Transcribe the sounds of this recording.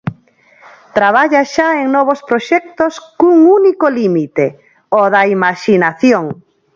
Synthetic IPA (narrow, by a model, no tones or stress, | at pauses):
t̪ɾaβ̞aʎaʃaeŋnɔβ̞ospɾoʃɛk̚t̪oskuŋunikolimit̪e | oðɐimaʃinaθjoŋ